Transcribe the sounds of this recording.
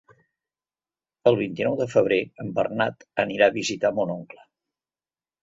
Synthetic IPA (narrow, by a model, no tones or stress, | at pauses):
əlˠβ̞int̪inɔwðəfəβ̞ɾeəmbə̰rnat̪əniɾaəβizit̪amɔnɔŋklə